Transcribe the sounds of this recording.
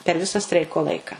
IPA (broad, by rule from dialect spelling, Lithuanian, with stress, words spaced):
pʲɛr ˈʋʲɪsɐ ˈsʲtʲrʲɛɪkoː ˈlˠɐɪkɐ